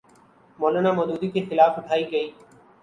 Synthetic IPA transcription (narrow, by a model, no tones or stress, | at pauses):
moːlaːnaːmoːd̪uːd̪iːkʰeːxɪlaːfʊʈʰaːiːɡəiː